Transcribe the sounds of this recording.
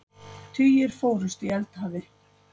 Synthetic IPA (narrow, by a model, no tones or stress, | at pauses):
t̪ʰyːjɪɾ̥foːwɾʏst̪iɛlt̪haːvɪ